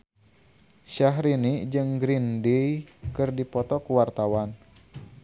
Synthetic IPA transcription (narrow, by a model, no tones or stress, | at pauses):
ʃaɦɾinid͡ʒɨŋɡɾindijkɨrdipɔt̪ɔkuwart̪awan